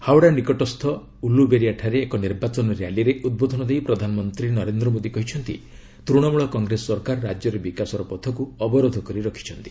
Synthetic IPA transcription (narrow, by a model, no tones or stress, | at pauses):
hawɽanikɔʈɔst̪ʰɔ | ulubeɾiaʈʰaɾeːkɔniɾbat͡ʃɔnɔɾjaliɾeʔud̪̚bod̪ʱɔnɔd̪ejpɾɔd̪ʱanɔmɔnt̪ɾinɔɾend̪ɾɔmod̪ikɔɦit͡ʃʰɔnt̪ḭ | t̪ɾuɽ̃ɔmuɭɔkɔŋɡɾesɔːɔɾkaɾɔɾad͡ʒjɔɾebikasɔɾɔpɔt̪ʰɔkuɔbɔɾod̪ʱɔkɔɾiɾɔkʰi̥t͡ʃʰɔnt̪i̥